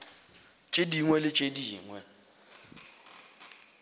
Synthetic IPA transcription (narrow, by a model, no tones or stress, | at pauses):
t͡ʃʼediŋwɛlɪt͡ʃʼediːŋwɛ